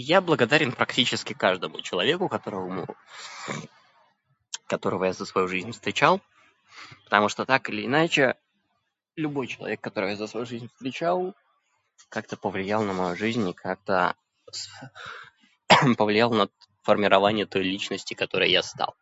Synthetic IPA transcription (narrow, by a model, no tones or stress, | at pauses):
jablˠəɡɐd̪aɾʲɪnpɾɐktʲit͡ɕɪskʲɪkaʐd̪əmʊ̰t͡ɕɪlˠɐvʲe̞kʊkɐt̪o̞ɾəvəm | kɐt̪o̞ɾəvəjazəsvɐjuʐɨzʲnʲfst̪ɾʲɪt͡ɕalˠ | pə̥t̪ɐmuʂt̪ot̪akɨlʲɪːnat͡ɕɪ | lʲʊbo̞jt͡ɕɪlˠɐ̰vʲe̞kːɐt̪oɾɨvjazəsvɐjuʐɨzʲnʲfst̪ʲɾʲɪt͡ɕalˠ | kak̚t̪əpəvlʲɪjalˠnəmɐjuʐɨzʲnʲɪkʰak̚t̪ə | s | pəvlʲɪjalˠnə | fərmʲɪɾɐvanʲɪjət̪o̞jlʲit͡ɕnəsʲtʲɪkɐt̪o̞ɾəjə̰jast̪ɑ̰lˠ